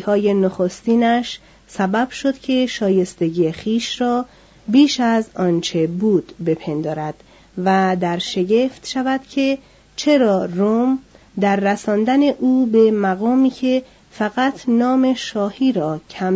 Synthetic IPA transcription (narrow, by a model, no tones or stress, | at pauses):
hɒːje̞noxost̪iːnæʃ | sæbæb̥ʃo̞d̪̥cʲʰe̞ʃɒːje̞st̪e̞ɟiːjexiːʃrɒː | biːʃæzɒːnt͡ʃʰe̞buːd̪̥be̞pʰe̞nd̪ɒːɾæd̪̥ | væd̪æɾʃe̞ɟe̞ft̪ʃævæd̪̥cʲʰe̞ | t͡ʃʰe̞ɾɒːrom | d̪æɾːæsɒːnd̪æne̞ʔuːbe̞mæɣɒːmiːcʰe̞ | fæɣæt̪ʰnɒːme̞ʃɒːhiːɾɒːcʰæm